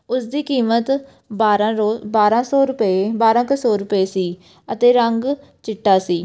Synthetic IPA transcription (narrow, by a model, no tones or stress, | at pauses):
ʊsd̪iːkiːmət̪ | baːɾãːɾoːbaːɾãːsoːɾʊpebaːɾãːkəsoːɾʊpeːsiː | ət̪eːɾəŋɡ | t͡ʃɪʈːaːsiː